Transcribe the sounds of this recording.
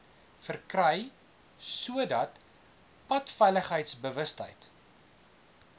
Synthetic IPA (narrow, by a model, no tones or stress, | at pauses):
fərkrɛj | suədɐt | pɐtfɛjləχɦəjtsbəvəstə̰jt